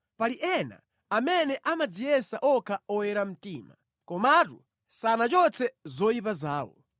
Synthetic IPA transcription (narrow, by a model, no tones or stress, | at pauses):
paliʔɛna̰ | amɛnɛʔamad͡zijɛsaʔɔkʰaɔwɛɾam̩tiːma̰ | kɔmatṵ | sanat͡ʃɔt͡sʰɛzɔjipazaːwɔ̰